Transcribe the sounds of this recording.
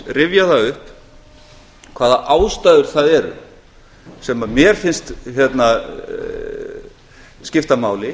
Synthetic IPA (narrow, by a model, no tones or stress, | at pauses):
rɪvjaθaɣʏhp | kʰv̥aːðaʔaːwst̪aːðʏɾ̥θaðɛɾʏ̰ | sɛmamjɛɾ̥fɪnst̪çjɛt̪na | scɪft̪amaːwlɪ